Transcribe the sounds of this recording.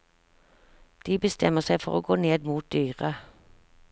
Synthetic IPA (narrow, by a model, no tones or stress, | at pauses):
d̪̥iːbəst̪ʰɛməʁsæɪfɔʁoːɡoːneːd̪muːt̪̚d̪yːʁə